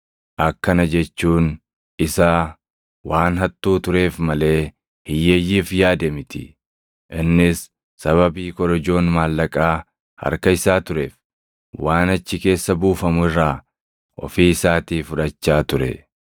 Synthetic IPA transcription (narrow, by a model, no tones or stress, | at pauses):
ʔɐkːɐnɐd͡ʒɛt͡ʃːuːn | ɪsaː | waːnɦɐt̪ʼːuːt̪ʊɾe̞ːfmɐle̞ː | hɪjːejːiːfjaːd̪ɛmɪt̪ɪ̥ | ʔɪnːɪsː | ɐβɐbiːkɔɾɐd͡ʒo̞ːnmaːlːɐkʼaː | hɐ̰ɾkɐɪsaːt̪ʊɾe̞ːf | waːnɐt͡ʃːɪke̞ːsːɐbuːfɐmʊɪrːaː | ʔɔ̰fiːɪsaːt̪iːfʊᶑɐt͡ʃːaːt̪ʊɾɛ̰